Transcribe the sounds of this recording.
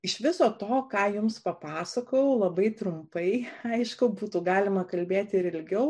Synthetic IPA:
ɪʃʋʲɪsoːt̪oːkɑːjʊmspɐpɑːsɐkoːjɛʊlˠɐbɐɪt̪ɾʊmpɐɪɐɪʃkʊbuːt̪uɡɑːlʲɪmɐkɐlʲbʲeːt̪ʲɪɾɪlʲɡʲɛʊ

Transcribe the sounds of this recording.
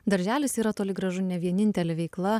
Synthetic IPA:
d̪ɐɾʲʒʲæːlʲɪsiːɾɐt̪oːlʲɪɡɾɐʒʊnʲɛʋʲiɛnʲɪnʲt̪ʲɛlʲɛʋʲɛɪklˠɐ

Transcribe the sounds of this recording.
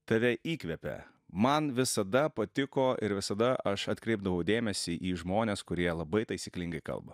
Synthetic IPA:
t̪ɐʋʲɛʔiːkʋʲɛpʲɛ̰ | mɐnʋʲɪsɐd̪ɐpɐt̪ʲɪkoːɪɾʋʲɪsɐd̪ɐɐʃɐt̪ʲkɾʲɛɪb̚d̪ɐʋɒʊd̪ʲeːmʲɛsʲiʔiːʒmoːnʲeːskʊɾʲiɛlˠɐbɐɪt̪ɐɪsʲiːklʲɪŋɡɐɪkɐ̰lˠbɐ

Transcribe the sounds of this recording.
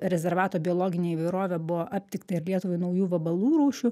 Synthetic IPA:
ɾʲɛzʲɛɾʋɑːt̪oːbʲɪɔːlˠoːɡʲɪnʲeːiːʋɐɪɾoːʋʲɛbʊʋɔʔɐp̚ʲt̪ʲɪkt̪ɐɪɾlʲiɛt̪ʊʋɐɪnɐʊjuːʋɐbɐlˠuːɾuːʃʲʊ

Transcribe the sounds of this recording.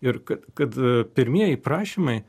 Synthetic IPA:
ɪɾkɐt̪kɐt̪pʲɪɾʲmʲiɛjɛɪpɾɑːʃʲimɐɪ

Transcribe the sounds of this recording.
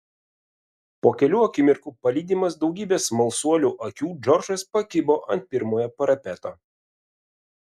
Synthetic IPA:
poːkʲɛlʲuːɐkʲɪmʲɪɾkuːpɐlʲiːd̪ʲiːmɐsd̪ɒʊɡʲiːbʲeːsmɐlˠsuɔlʲuːʔɐkʲuːd͡ʒɔɾʒɐspɐkʲɪboːʔɐ̰nt̪̚pʲɪɾmoːjɛpɐɾɐpʲɛt̪oː

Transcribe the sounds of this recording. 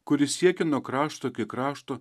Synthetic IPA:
kʊɾʲɪsʲiɛkʲɪnoɔkɾɑːʃt̪oːkʲɪkɾɑːʃt̪oː

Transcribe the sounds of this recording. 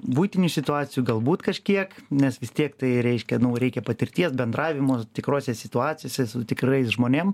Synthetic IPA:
buːɪt̪ʲɪnʲuːsʲɪt̪ʊɑːt͡sʲɪjuːɡɐlˠbuːt̪kɐʃʲkʲiɛknʲɛsʋʲɪst̪ʲiɛkt̪ɐɪɾʲɛɪʃʲkʲɛnʊɾʲɛɪkʲɛpɐt̪ʲɪɾʲt̪ʲiɛsbʲɛnd̪rɑːʋʲɪmoːt̪ʲɪkɾoːsʲɛsʲɪt̪ʊɑːt͡sʲɪjoːsʲɛsʊt̪ʲɪkɾɐɪsʒmoːnʲem

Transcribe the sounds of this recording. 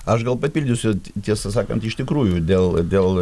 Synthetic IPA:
ɐʃɡɐlˠpɐpʲilʲd̪ʲʊsʲʊt̪ʲiɛsɐsɑːkɐnt̪ɪʃt̪ʲɪkɾuːjʊd̪ʲeːlˠd̪ʲeːlˠ

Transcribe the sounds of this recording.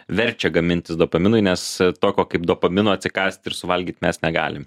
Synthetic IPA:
ʋʲɛɾʲt͡ʃʲɛɡɐmʲɪnʲt̪ʲɪsd̪oːpɐmʲɪnʊɪnʲɛst̪oːkʲoːkɐɪp̚d̪oːpɐmʲɪnoːɐtʲsʲɪkɑːsʲtʲt̪ɪɾsʊʋɐlʲɡʲiːt̪mʲɛsnʲɛɡɑ̰ːlʲɪm

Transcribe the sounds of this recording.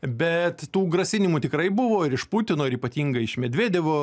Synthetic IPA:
bʲɛt̪tuːɡrɐsʲɪnʲɪmuːt̪ʲɪkɾɐɪbʊʋoːɪɾɪʃput̪ʲɪnoːɪɾiːpɐt̪ʲiːŋɡɐɪɪʃmʲɛd̪ʲʋʲeːd̪ʲɛʋoː

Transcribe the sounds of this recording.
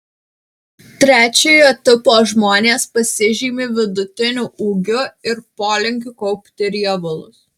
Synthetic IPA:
t̪ʲɾʲæːt͡ʃʲɛjot̪ʲɪpoːʒmoːnʲeːspɐsʲɪʒʲiːmʲɪʋʲɪd̪ʊt̪ʲɪnʲʊʔuːɡʲʊɪɾpoːlʲɪŋʲkʲʊkɔʊpʲt̪ʲɪɾʲiɛbʊlˠʊs

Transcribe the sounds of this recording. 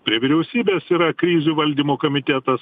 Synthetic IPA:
pʲɾʲiɛʋʲɪɾʲɛʊsʲiːbʲeːsiːɾɐkɾʲiːzʲuːʋɐlʲd̪ʲiːmoːkoːmʲɪt̪ʲɛt̪ɐs

